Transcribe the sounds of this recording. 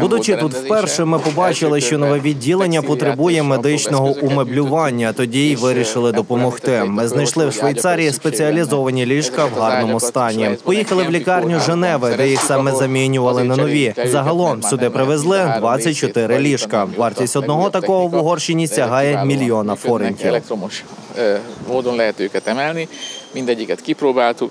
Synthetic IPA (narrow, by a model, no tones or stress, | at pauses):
bud̪ʊt͡ʃɪt̪ut̪wpɛrʃɛmɪpɔbɑt͡ʃɪlˠɪʃt͡ʃɔnɔʋɛʋʲiddʲːilˠenʲːɐpɔt̪ɾebujɛmed̪ɪt͡ʃnɔɦɔʔumeblʲʊʋɑnʲːɐt̪ɔdʲiʋɪɾʲiʃɪlˠɪd̪ɔpɔmɔxt̪ɪmɪznɐjʃlˠɪwʃʋejt̪sɑɾʲijispet͡sʲiɐlʲizɔʋɐnʲilʲiʃkɐwɦɑrnɔmʊst̪ɑnʲipɔjixɐlˠɪwlʲikɑrnʲʊʒenɛʋɪd̪ɛjixsɑmɛzɐmʲinʲʊʋɐlˠɪnɐnɔʋʲizɐɦɐlˠɔmsʲʊd̪ɪpɾɪʋezlˠɪd̪ʋɑt͡sʲːɐt̚ʲt͡ʃɔt̪ɪɾɪlʲiʃkɐʋɑrtʲisʲtʲɔd̪nɔɦɔt̪ɐkɔɦɔʋuɦɔrʃinʲisʲɐɦɑjɛmʲilʲijɔnɐfɔɾenʲkʲḭwʃ | moːd̪onlɛɦɛt̪øːkɛt̪ɛmɛlnimind̪ɛɟʲːikɛt̪kipɾoːbaːlt̪uk